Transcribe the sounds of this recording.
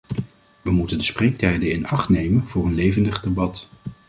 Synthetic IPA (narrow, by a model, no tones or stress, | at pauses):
ʋəmutəndəsprejk̚tɛjdəɪnɑχtnejmənvʊːrənlejvəndəχdebɑt